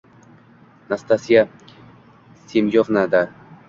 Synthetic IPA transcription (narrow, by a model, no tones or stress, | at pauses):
nast̪asija | semjoʁnad̪a